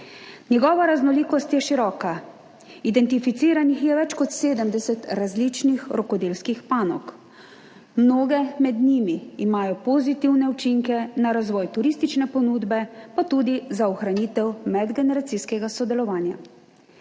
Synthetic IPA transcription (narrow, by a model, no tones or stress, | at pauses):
nʲjɛɡɔːʋaɾaznɔliːkɔst̪jɛʃiɾɔːka | id̪ɛnt̪ifit̪siːɾanixjɛʋɛt͡ʃkɔt̪seːd̪əmd̪ɛsɛt̪ɾazlit͡ʃnixɾɔkɔd̪eːlskixpaːnɔk | mnoːɡɛmɛd̪niːmiːmaːjɔpɔzit̪iwnɛut͡ʃiŋkɛnaɾazʋɔːjt̪uɾiːst̪it͡ʃnɛpɔnuːd̪bɛpat̪uːd̪izaɔxɾaniːt̪ɛwmɛd̪ɡɛnɛɾat̪siskɛɡasɔd̪ɛlɔʋaːnja̰